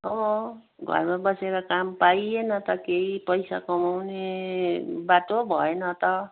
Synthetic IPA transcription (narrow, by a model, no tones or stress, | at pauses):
ʌbʌ | ɡʱʌ̰rmabʌseɾakampajenʌt̪ʌkeipʌjsa̰kʌmawne | baʈobʱʌenʌt̪ʌ